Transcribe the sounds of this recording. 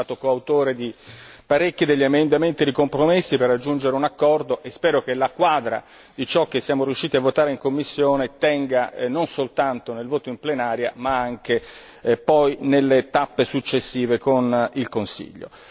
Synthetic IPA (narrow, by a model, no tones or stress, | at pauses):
aːt̪okoawt̪oːɾed̪ipaɾekːid̪eʎːiamend̪ament̪id̪ikompɾomesːiperːad͡ʒːund͡ʒeɾeunakːɔrd̪oʔespɛːɾokelakwaːd̪ɾa̰ | d̪it͡ʃɔk̟ːesːjaːmoɾiuʃːiːt̪iavːot̪aːɾeiŋkomːisːjoːnet̪ɛŋɡanonsolt̪ant̪onelvoːt̪oimplenaːɾja̰maaŋk̟e | pɔjnelːet̪apːesut͡ʃːesːiːvekonilkonsḭʎːo̰